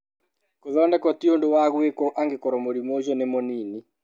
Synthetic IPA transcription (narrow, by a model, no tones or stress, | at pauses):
koðɔndɛkɔtiondowaɣwekɔʔaŋɡekɔɾɔmoɾimod͡ʒɔnemɔnini